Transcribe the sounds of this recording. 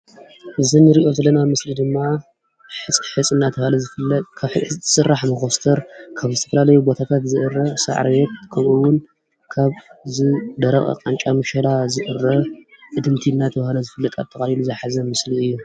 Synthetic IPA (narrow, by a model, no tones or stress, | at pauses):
ʔɨzɨnːɨɾiʔo̞zɐlːɐnamɨslid̪ɨmːa | ħɨt͡sʼħɨt͡sʼɨnːat̪ʰɐlɐzɨlɐt̪kʰḁɨsɨrːaħmɐxost̪ʰɐɾkʰaβzɨt̪ʰɐfɐlalɐjubo̞t̪ʰat̪ʰat̪zɨʔɨrːɐsa̰ʕɾwet̪̚kʰɐmʔuwʊn | kʰaβzɨd̪ɐɾɐχʼɐ̰qʼant͡ʃʼamɨʃɐlazɨʔɨrːɐ | ʔɨd̪ɨmt̪ʰinːat̪ʰɐβhlɐzɨfɨlːɐt̪ʼa̰βt̪ʰɐkʼahiluzɐħazɐmɨsliɨjːu